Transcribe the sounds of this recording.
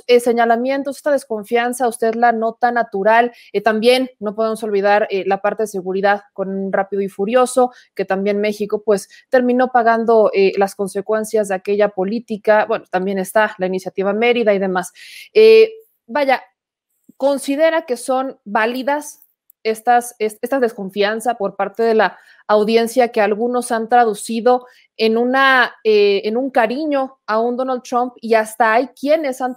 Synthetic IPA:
ese̞ɲalamje̞nt̪os̬est̪að̞e̞sko̞ɱfjansaust̪e̞ðlano̞t̪anat̪uɾal | et̪ambje̞nːo̞poðemo̞so̞lβ̞ið̞aɾelapaɾt̪e̞ð̞es̬e̞ɣuɾiðaðko̞nrapið̞oifuɾjo̞so̞ | ke̞t̪ambje̞nme̞xiko̞pwe̞s | t̪e̞ɾmĩno̞paɣand̪o̞elasko̞nse̞kwe̞nsjazðe̞ake̞ʝapo̞lit̪ikabwe̞not̪ambje̞ne̞st̪alainisjat̪iβ̞ame̞ɾiðaiðe̞mase | baʝa | ko̞nsiðe̞ɾake̞so̞nbaliðas | e̞st̪asesest̪azðe̞sko̞ɱfjansapo̞ɾpaɾt̪e̞ðe̞laː | wðje̞nsjake̞alɣuno̞sant̪ɾaðusiðo̞ | e̞nũnaeenũŋkaɾiɲo̞ | aund̪o̞nald̪t̪ɾompiast̪aajkje̞ne̞san

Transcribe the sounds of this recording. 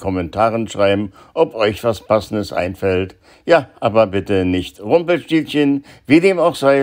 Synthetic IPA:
kʰɔmɛntʰaːʁənʃʁ̥aɪbm̩ | ʔɔpʔɔʏçv̥aspʰasn̩dəsʔa̰ɪnfɛlt | jaːʔaːbɐbɪtənɪçtʁʊmpl̩ʃtiːlçənviːdeːmaʊxz̥aɪ

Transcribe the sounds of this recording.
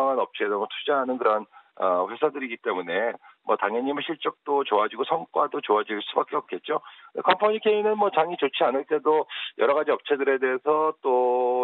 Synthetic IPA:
aŋanʌp̚t͡ɕʰedomʌtʰud͡ʑaɦanɯnkɯɾʌnʌɸwe̞sʰadɯɾiɡit͈e̞mune̞mwʌtaŋjʌɲimɯɭɕʰiɭt͡ɕ͈ʌk̚t͈ot͡ɕoad͡ʑiɡosʰʌŋk͈wadot͡ɕoad͡ʑiɭs͈ubak͈e̞ʌp̚k͈e̞t̚t͡ɕ͈okɯndekʰʌmpʰoɲikʰe̞inɯnmwʌt͡ɕaŋit͡ɕot͡ɕʰianɯɭt͈e̞dojʌɾʌɣad͡ʑiʌp̚t͡ɕʰe̞dɯɾe̞de̞ːsʰʌt͈o

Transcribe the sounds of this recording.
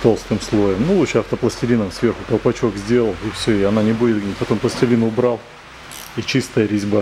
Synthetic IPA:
t̪o̞lˠst̪ɨmslˠo̞jəmnulˠut͡ʃɐft̪əplˠəsʲtʲɪɾʲinəmsvʲe̞rxʊkɐlˠpɐt͡ɕo̞ɡzʲdʲe̞lˠəlˠɪfsʲoɪɐnanʲɪbudʲɪt̪̚ɡnʲit̚ʲpɐt̪o̞mplˠəsʲtʲɪɾʲinʊbɾalˠ | it͡ɕist̪əjəɾʲɪzʲba

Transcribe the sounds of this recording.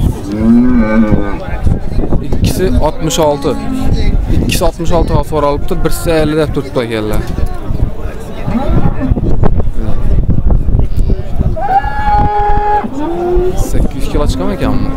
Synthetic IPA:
ɪkʲʰːɪ̥sɪɒt̪mɪʃɒlˠt̪ʰɪ | ɪkʲʰːɪ̥sɪɒt̪mɪʃɒlˠt̪ɪhɒfɒɾɒlˠɪp̚t̪ʊbɪɾsɪɪajlɪd̪ep̚t̪ʰʊɾt̪ʰp̪akʲallaɾ | sakʲːɪzɪʃʲkʰʲilˠat͡ʃʰqʰɑmekʲʰamːʊ

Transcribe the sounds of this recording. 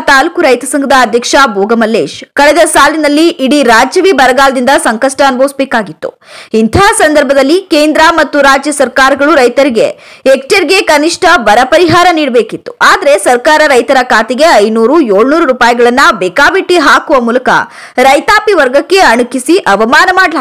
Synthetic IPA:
t̪aːlkuɾɐjt̪ɐsɐŋɡʱɐd̪ɐːd̪ʱjɐkʂɐboːɡɐmɐlːeːʃkɐɭɛd̪ɐsaːlinɐlːiʔiɽiɾaːd͡ʒjɐʋibɐɾɐɡaːlɐd̪ind̪ɐsɐŋkɐʂʈɐːnbʱoːʋsbeːkaːɡit̪ːṵ | int̪ʰaːsɐnd̪ɐɾbʱɐd̪ɐlːikeːnd̪ɾɐmɐt̪ːuɾaːd͡ʒjɐsɐɾkaːɾɐɡɐɭuɾɐjt̪ɐɾiɡe̞̰ekʈɐɾiɡe̞kɐniʂʈʰɐbɐɾɐpɐɾiɦaːɾɐniːɽbeːkit̪ːu̥aːd̪ɐɾe̞sɐɾkaːɾɐɾɐjt̪ɐɾɐkaːt̪iɡeɐjnuːɾujoːɭnuːɾuɾuːpaːjɐɡɐɭɐnːɐbekaːbiʈːiɦaːkuʋɐmuːlɐkɐ̰ | ɾɐjt̪aːpiʋɐɾɡɐkːe̞ɐɳukisiʔɐʋɐmaːnɐmaːɖla

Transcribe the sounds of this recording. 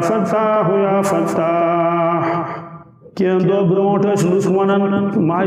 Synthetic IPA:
fɐt̪aːɦujaːfɐt̪a | kend̪oːbɾõːʈɐslusʋɐnɐnmaː

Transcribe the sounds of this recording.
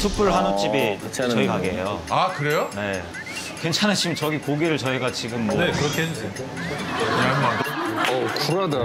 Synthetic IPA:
sʰupʰɯɾɭɦanot͡ɕ͈ibit͡ɕʌikaɡeɦejoakɯɾe̞jone̞ | kwent͡ɕʰanet͡ɕimt͡ɕʌɡikoɡiɾɯɭt͡ɕʌiɡat͡ɕiɡɯmːnekɯɾʌkʰeɦed͡ʑɯde | kɯnanmandoʌkuɾada

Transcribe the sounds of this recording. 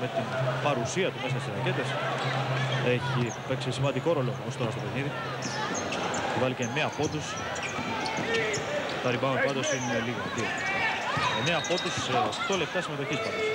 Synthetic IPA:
me̞t̪inpɐɾusiɐt̪ume̞sɐst̪isɾɐce̞t̪e̞s | eçipe̞ksisimɐnd̪iko̞ɾo̞loost̪o̞ɾɐst̪o̞pe̞niði | t̪ivɐliceneɐpo̞t̪us | t̪ɐɾibɐmɐt̪upɐd̪osineliɣoðio | ɐ | eneɐpo̞t̪uset̪o̞le̞pt̪ɐsime̞t̪o̞çispɐd̪o

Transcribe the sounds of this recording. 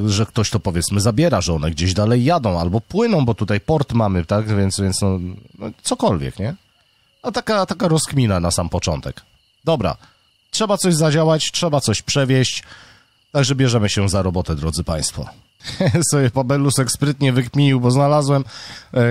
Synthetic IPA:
ʐɛk̚t̪ɔɕt̪ɔpɔvjɛt̪smɘzabʲjɛɾaʐɛɔnɛɡd͡ʑeʑd̪alɛjːad̪ɔ̃w̃albɔpwɘnɔ̃w̃bɔt̪ut̪ajpɔɾt̪mamɘt̪akvʲjɛnt̪svʲjɛnt̪snɔnɔ̰t̪sɔkɔlvʲjɛ̰kɲɛ | at̪akat̪akaɾɔskmʲinanasampɔt͡ʂɔnt̪ɛk | d̪ɔbɾa̰ | tʂɛbat̪sɔʑzad͡ʑawat͡ɕtʂɛbat̪sɔɕpʂɛvʲjɛɕt͡ɕ | t̪aɡʐɛbʲjɛʐɛmɘɕɛzaɾɔbɔt̪ɛd̪ɾɔd̪zɘpaj̃st̪fɔ̰ | sɔjɛpabɛlusɛkspɾɘt̪ɲɛvɘkmʲiɲiwbɔznalazwɛm

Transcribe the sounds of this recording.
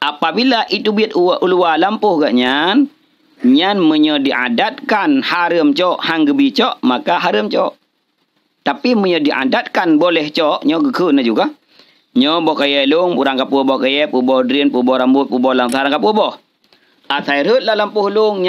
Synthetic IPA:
ʔapabilaʔit̪ubiət̪uʔulualampʊhɡaʔɲan | ɲanməɲɔdiʔa̰dat̪̚kanhaɾəmt͡ʃɔʔhaŋɡəbit͡ʃɔʔmakaɦaɾəmt͡ʃɔʔ | t̪apiməɲɔdiʔa̰dat̪̚kanbolɛht͡ʃɔʔɲɔɡəkʰənad͡ʒuɡa | ɲɔbɔkajɛluŋpuɾaŋkapuəbɔhkajɛpubɔhdɾinpubɔhɾambʊt̪̚pubɔlaaɾaŋkapuəbɔh | ʔasaiɾət̪̚lahlampuhlʊŋɲ

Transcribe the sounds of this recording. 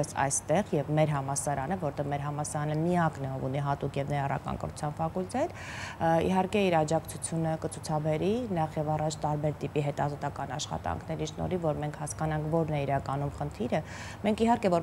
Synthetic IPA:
ɛsɑ̰jst̪ɛʁjɛvmɛɾɦɑmɑsɑɾɑnəvɔɾt̪ɛvmɛɾɦɑmɑsɑɾɑnəmiɑknɛɔvuniɦɑt̪ukjɛvnɛjɑrɑ̰kɑ̰ŋkə̰rut͡sʰjɑnfɑkult̪ɛt̪ | ḭɦɑɾkɛiɾɑd͡ʒɑkt͡sʰut͡sʰjunəkət͡sʰut͡sʰɑbɛɾinɑχjɛvɑrɑt͡ʃʰt̪ɑɾbɛɾt̪ipiɦɛt̪ɑzɔt̪ɑkɑnɑ̰ʃχɑ̰t̪ɑ̰ŋkʰnɛɾiʃnɔ̰ɾivɔɾmɛŋkʰhɑskɑnɑŋkʰvɔɾnɛiɾɑkɑnumχənt̪ʰiɾə | mɛŋkʰiɦɑɾkɛvɔɾ

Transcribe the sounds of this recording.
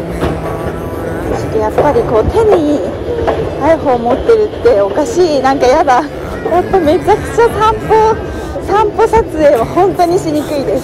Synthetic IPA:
soɕi̥t̪ejapːaɾʲiko̞ːt̪ʰe̞ɲ̟i | aeɦo̞ːmo̞t̪ːe̞ɾɯt̪ːe̞o̞kaɕiːnãŋkajaba | mot̪ːo̞me̞t͡ɕakɯ̟̥t͡ɕasãmpo | sãmpo̞sat͡sɨe̞ːmohõ̞nt̪o̞ɲ̟iɕiɲ̟ikɯ̟id̪e̞s

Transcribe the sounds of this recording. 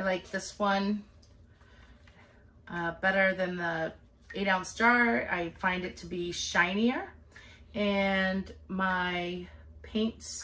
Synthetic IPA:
laɪk̚ðɪswʌ̃n | ʔʌbɛɾə˞ðɨ̃nðə | eɪɾãʊ̃nstɑɹa̰ɪfãɪ̃ndɨtʰəbiʃãɪ̃niə˞ | ɨ̃nmaɪpʰẽɪ̃nts

